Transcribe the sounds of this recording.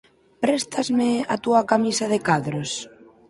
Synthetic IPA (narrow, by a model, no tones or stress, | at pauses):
pɾɛst̪azmɪat̪uakamisaðɪkaðɾos